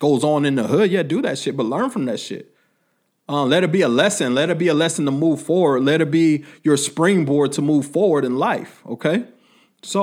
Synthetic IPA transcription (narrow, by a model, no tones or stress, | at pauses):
ɡ̥oʊzn̩ɨ̃nəhʊd̚jædɨðɨtʃɪt̚b̥ʌtˡlɜ̃˞nfɹʌ̃mðɨtʃɪ̰t̚ | ʌ̃mlɛɾɨt̚b̥iəlɛsɨ̃nlɛɾɨt̚biɨlɛsn̩tʰəmuv̥fɔɹwə˞dˡlɛɾɨt̚b̥ijə˞spɹɪ̃ŋbɔɹd̚tʰəmuv̥fɔɹwə˞ɾɨ̃nlaɪfo̰ʊkʰeɪ | soʊ